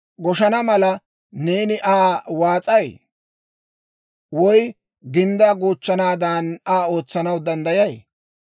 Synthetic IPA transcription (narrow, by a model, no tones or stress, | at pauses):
ɡɔʃɐnɐmɐlɐ | neːnɪʔaːwaːt͡sʼɐj | wɔj | ɡɪnd̪aːɡuːt͡ʃːɐnaːd̪anaːo̞ːt͡sːɐnɐwd̪ɐnd̪ɐjɐj